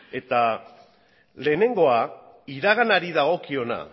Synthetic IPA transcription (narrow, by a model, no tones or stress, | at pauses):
e̞t̪a | le̞ːne̞ŋɡo̞a | iɾaɣ̞anaɾiðaɣo̞kio̞na̰